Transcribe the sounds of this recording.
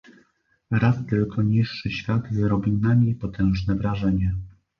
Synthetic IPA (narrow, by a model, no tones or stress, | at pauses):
ɾast̪ɘlkʰɔɲiʂːɘɕfʲjad̪zɾɔbʲiwnamʲjejpɔt̪ɛ̃w̃ʐnɛvɾaʐɛɲɛ